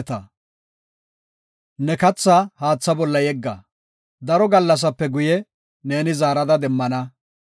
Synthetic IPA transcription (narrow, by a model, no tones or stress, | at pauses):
t̪ɐ | nɛkɐt͡sːahaːt͡sːɐbɔlːɐjɛɡːɐ | d̪ɐɾɔɡɐlːɐs̬ɐpːɛɡʊjɛ | ne̞ːnɪzaːɾɐd̪ɐd̪ɛmːɐnɐ